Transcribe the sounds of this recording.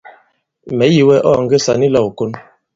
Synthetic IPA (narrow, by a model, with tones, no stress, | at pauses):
mɛ˨˦ji˨wɛ˦ʔɔ̰˦˨ŋ̩˦ɡe˦sa˨ni˦lɔ˦˨wu˨ko˦n